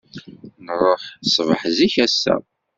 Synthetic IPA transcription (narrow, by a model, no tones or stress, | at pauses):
nərˤːoħsˤvəħziçæsːæ̰